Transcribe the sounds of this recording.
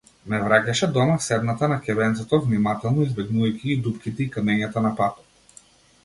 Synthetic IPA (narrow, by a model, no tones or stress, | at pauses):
mɛvɾakaʃɛd̪ɔmafsɛd̪nat̪anakʲɛbɛnt̪sɔt̪ɔvnimat̪ɛlˠnɔizbɛɡnuvajkʰʲiid̪upkʲit̪ɛikamɛɲat̪anapat̪ɔ̥t̪